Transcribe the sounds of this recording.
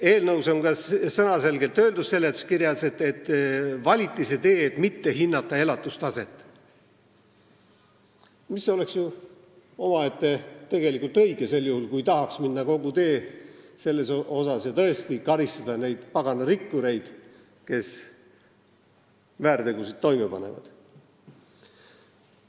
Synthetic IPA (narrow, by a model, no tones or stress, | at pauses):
e̞ːlnɤwso̞ŋɡɑsɤnɑse̞lɡ̥e̞lt̪ːø̞ːld̪usse̞lːet̪skiɾjɑset̪ːˑet̪ːvɑlʲit̪ːˑise̞t̪e̞ːt̪ːˑmit̪ːe̞ɦinːɑt̪ˑːɑe̞lɑt̪ːˑust̪ɑse̞t̪ːˑ | misːo̞le̞ksju | o̞mɑet̪ːet̪e̞ɡe̞likult̪ɤ̞jɡese̞lːjuhulkujt̪ɑɦɑksminːɑko̞ɡut̪e̞ːse̞lːe̞so̞sɑsjɑt̪ɤe̞st̪ikɑɾist̪ɑd̪̥ɑne̞jd̪̥pɑɡ̥ɑnɑɾikːuɾe̞jd̪̥ | ke̞s | væːɾt̪e̞ɡ̥usid̪̚t̪ːo̞jmepɑne̞̰vɑ̰d̪̥